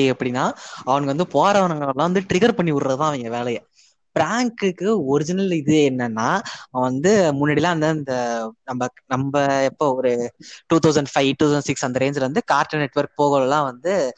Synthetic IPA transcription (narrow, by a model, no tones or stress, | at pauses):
ɛpːɐɽɪnːaːɐʋɐnɐɡɐʋɐnd̪ɯpoːɾɐʋɐnɐŋɡɐɐlːãːʋɐnd̪ɯʈɾɪɣɐɾpɐɳːiʊɾɾɐðɯt̪ãːɐʋɪŋɡɐʋeːɭɐjɐ | bɪɾaːŋkɯkːɯɔɾɪd͡ʒɪnɐlɪðɯeːɛnːɐnːaːʋɐnd̪ɯmʊnːɐɽɪlãːɐnd̪ɯɪnd̪ɐnɐmbɐnɐmbɐɛpːoɔɾɯʈuːt̪ʰɐʊsɐɳɖfɐɪʋʈuːɐsɐɳɖsɪksɐnd̪ɐɾeːnd͡ʒɐʋɐnd̪ɯkaːɾʈːɐnɛʈːʋɐɾk̚poːɣɐlɐlːãːʋɐnd̪ɯ